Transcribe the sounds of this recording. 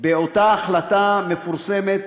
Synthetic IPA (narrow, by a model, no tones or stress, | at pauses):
beot̪aːχlat̪ame̞fuʁsemet̪